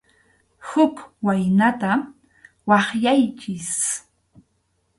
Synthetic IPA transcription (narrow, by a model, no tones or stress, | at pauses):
hʊkwajnat̪a | wɑχjajt͡ʃɪs